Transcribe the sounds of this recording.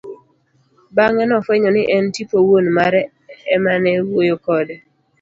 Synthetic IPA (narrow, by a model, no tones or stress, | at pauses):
baŋɛnɔfwɛɲɔnɪʔɛntipowonmaɾɛ | ɛmanɛwwojokɔdɛ